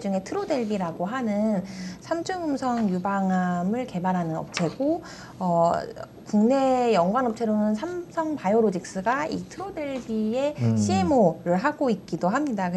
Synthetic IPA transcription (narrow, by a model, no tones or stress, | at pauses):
d͡ʑuŋe̞tʰɯɾodwe̞ɭbiɾaɡoɦanɯnsʰamt͡ɕʰɯŋɯmsʰʌŋjubaŋɦamɯɭke̞baɾɦanɯnʌ̰p̚t͡ɕʰe̞ɡo | ʌ | kuŋne̞jʌŋɡwanʌp̚t͡ɕʰe̞ɾonɯnsʰamsʰʌŋpajoɾod͡ʑik̚s͈ɯɡaḭtʰɯɾode̞ɭbie̞ɕʰiemoɾɯɭɦaɡoik̚k͈idoɦamɲidakɯ